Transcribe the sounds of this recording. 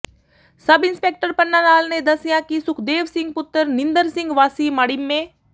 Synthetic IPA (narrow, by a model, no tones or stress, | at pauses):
sɐbɪnspek̚ʈəɾpənːaːnaːlned̪ɐsjãkisʊkʰd̪eːʋsɪŋɡ̚pʊt̪ːəɾnɪnd̪əɾsɪ̃ŋɡʋaːsimaɽimːẽː